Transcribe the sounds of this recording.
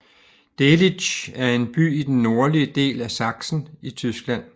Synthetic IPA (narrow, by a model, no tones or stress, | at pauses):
d̥eli̥ɕæɐe̝nb̥y̰ːid̥enːo̝ɐliəd̥e̝̰ːlæsɑ̈ɡ̥sn̩it͡sʰysɡ̥læn̰